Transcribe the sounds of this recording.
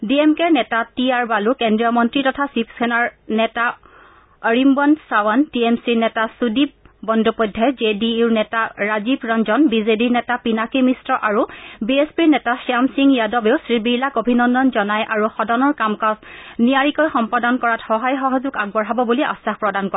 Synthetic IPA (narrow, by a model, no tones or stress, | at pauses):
diemkeɹnɛtatiaɹbalukɛndɹijɔmɔntɹitɔtʰasipʰsʰɛnaɹnɛta | ɔɹimbɔnsawantiemsiɹnɛtasudib̚bɔndopɔdʱːɛd͡ʒediuɹnɛtaɹazibɹɔnzɔnbizediɹnɛtapinakimistɹɔʔaɹubiespiɹnɛtasiamsiŋjadɔbeʊsɹibilakobʱinɔndɔnzɔnajʔaɹuxɔdɔnɔɹkamkasnijaɹikɔjxɔmpɔdɔnkɔɹatxɔɦajxɔɦɔzuɡaɡbɔɹɦabɔbuliʔa̰saxpɹɔdankɔɛ